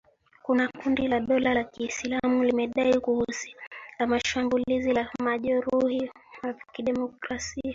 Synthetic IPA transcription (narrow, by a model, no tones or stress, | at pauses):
kunakundilaɗɔlalakisilamulimɛɗaikuhusi̥lamaʃambulizilamaʄɔɾuhiwakiɗɛmɔkɾasia